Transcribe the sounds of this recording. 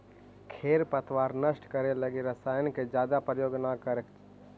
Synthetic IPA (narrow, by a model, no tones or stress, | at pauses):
kʰeːɾpət̪ʰʋaːɾnəʃʈkəɾeləɡeɾəsaːjənked͡ʒjaːd̪apɾəjoːɡnakəɾe